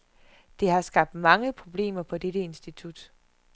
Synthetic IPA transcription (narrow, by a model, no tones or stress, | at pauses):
d̥e̝ɦɑ̈sɡ̥ɑ̈b̥̚d̥mɑ̈ŋəpʰʁo̝b̥le̝̰ːmɐpʰɒ̽d̥eɾəe̝nsd̥it͡sʰud̥